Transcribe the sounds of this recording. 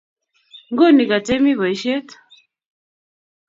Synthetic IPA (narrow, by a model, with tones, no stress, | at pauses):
ŋɡɔ˦˨ni˨ka˨tɛ˦mi˦βɔ˨i˦ʃɛ˦tḁ˨